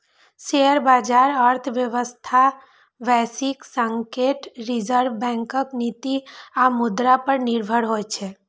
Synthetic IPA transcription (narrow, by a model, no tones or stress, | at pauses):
ʃeəɾbaːd͡ʒaːɾəɾt̪ʰʋjəʋəst̪ʰa | ʋɛsɪksə̃ŋkeʈɾid͡ʒəɾʋbɛ̃ŋkəknit̪iamʊd̪ɾapəɾnɪɾbʱəɽɦojt͡ʃʰe